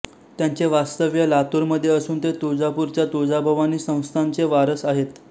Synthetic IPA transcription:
t̪jaɲt͡seʋast̪əʋjəlat̪uɾməd̪ʱːjeəsuːnt̪et̪od͡zapuɾt͡ɕjat̪od͡zabʱəʋaniːsə̃w̃st̪ʰant͡seʋaɾəsaɦet̪

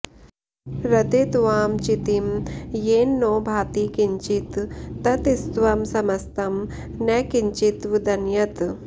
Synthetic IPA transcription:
ɾɐt̪it̪ʋaːmt͡ʃit̪imjeːnːoːbʱaːt̪iːkiɲt͡ʃit̪ːɐt̪ist̪ʋɐmsɐmɐst̪ɐm | nɛkiɲt͡ʃit̪ʋud̪ɐnjɐt̪

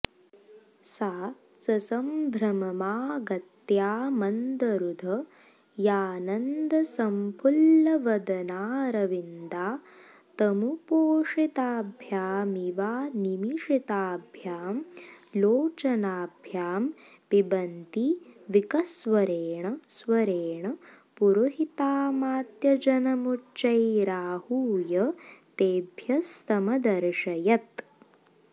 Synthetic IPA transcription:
saːt̪sɐsɐmbʱɾɐmɐmaːɡɐt̪jaːmɐnd̪ɐɾud̪ʱɐ | jaːnɐnd̪ɐsɐmpʰulːɐʋɐd̪ɐnaːɾɐʋind̪aː | t̪ɐmupoːʂit̪aːbʱjaːmiʋaːnimiʂit̪aːbʱjaːmloːt͡ʃɐnaːbʱjaːm | pibɐnt̪iʋikɐsʋɐɾeːɳɐsʋɐɾeːɳɐ | puɾuɦit̪aːmaːt̪jɐd͡ʒɐnɐmuʈt͡ʃɐjɾaːhuːjɐt̪eːbʱjɐst̪ɐmɐd̪ɐɾʂɐjɐt̪

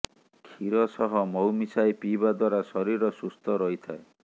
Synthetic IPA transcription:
kʰiɾɔsɔɦɔmɔwmisajpibad̪waɾasɔɾiɾɔsust̪ʰɔɾɔjt̪ʰae

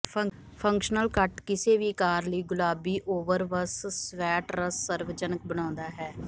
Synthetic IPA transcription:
pʰəŋ | pʰə̃ŋkʃnəlkəʈkɪseːʋiːkaːɾləiːɡʊlaːbiːʔoːʋəɾʋəssʋɛːʈɾəsːəɾʋd͡ʒənək̚bəɽ̃ãːnd̪aːɦɛː

